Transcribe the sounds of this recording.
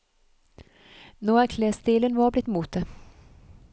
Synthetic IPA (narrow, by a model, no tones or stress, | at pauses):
noːækʰleːsd̪iːlənʋɑːblɪt̪ːmuːt̪̚d̪e